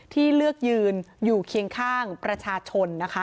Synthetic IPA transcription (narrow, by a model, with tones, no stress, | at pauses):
t̪ʰiː˥˩lɯ˥˩ək̚jɯː˧njuː˨˩kʰi˧əŋkʰaː˥˩ŋpɾa˧t͡ɕʰaː˧t͡ɕʰo˧nːa˦˥kʰa˦˥